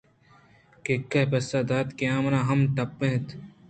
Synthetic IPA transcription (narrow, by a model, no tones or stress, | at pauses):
kekːɐpɐsaːd̪aːt̪keãːmnãːɦɐmʈɐpːẽɦt̪